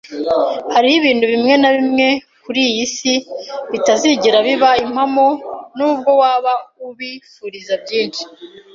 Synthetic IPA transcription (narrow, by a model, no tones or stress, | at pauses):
haɾihiβiːn̥huβimŋe̞naβimŋe̞ | kuɾijisiβitaziɟiɾaβiβaim̥hamonuːb̚ɡo̞waːβauβifuːɾizabɟiːnʃi̥